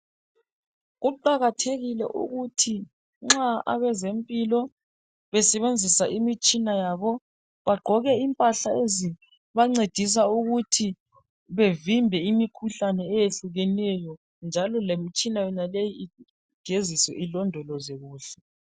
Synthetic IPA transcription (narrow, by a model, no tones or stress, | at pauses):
ɣuǃaɣatʰeɣilɛ̰ʔṵɣutʰi | ŋ͡ǁaa̰βɛzempʼilɔ | βɛsɛβend͡zʱisaʔimit͡ʃʼinajaːβɔ | βaɡ͡ǃʱɔɣɛimpʼaɬaezi | βaŋ͡ǀed̥ʱis̬auɣutʰi | βevimbʱɛimikʰuɬanɛːjeɬuɣɛnɛjɔ | nd͡ʒʱalɔlemit͡ʃʼinajɔnalejii | ɡ̥ʱeziswɛ̰ʔilɔndʱɔlɔzeɣuːɬɛ̥